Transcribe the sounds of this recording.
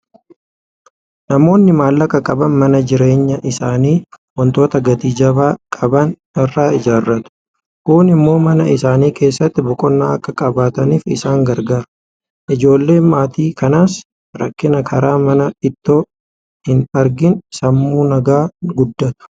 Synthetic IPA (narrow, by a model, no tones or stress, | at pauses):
nɐmo̞ːnːɪmaːlːɐkɐkʼɐbɐnmɐnɐd͡ʒɪɾe̞ːɲːɐʔɪsaːniː | wɔnt̪o̞ːt̪ɐɡɐt̪iːd͡ʒɐbaːkʼɐbɐn | ɪrːaːɪd͡ʒaːrːɐt̪ʊ̥ | kuːnɪmːo̞ːmɐnɐɪsaːniːke̞ːsːɐt̪ːɪbɔkʼɔnːaːɐkːɐkʼɐbaːt̪ɐniːfɪ̰saːŋɡɐɾɡaːɾʊ | ʔɪd͡ʒo̞ːlːe̞ːnmaːt̪iːkɐnaːs | ɾɐkːɪnɐkʰɐɾaːmɐnɐɪt̪ːo̞ː | hɪnɐɾɡɪnsɐmːuːnɐɡaːɡʊd̪ːɐt̪ʊ̥